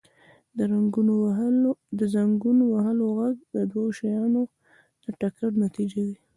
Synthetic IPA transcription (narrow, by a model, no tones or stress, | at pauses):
ɾɡu | d̪əzaŋɡunowaɦaloɣaɡ̚d̪əd̪wajoʃajɑno | d̪̥əʈakaɽnat̪id͡ʒewi